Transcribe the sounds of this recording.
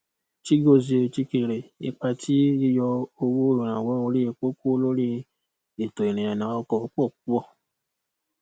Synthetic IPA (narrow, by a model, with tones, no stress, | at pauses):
t͡ʃi˦ɡo˦˨ze˧˨t͡ʃi˧ke˨ɾe˨ḛ˦k͡pa˧tʰi˦i˦jɔ˧o˧wo˦õ˦˨ɾ̃ã˨wɔ˨˦o˧˦ɾi˦e˧k͡po˦ko˦lo˦ɾi˦ | e˨to˨e˨ɾ̃ĩ˨ã˨nã˨˦ɔ˧˦kɔ˧˨˦k͡pɔ˦˨k̚u˦ɔ˦˨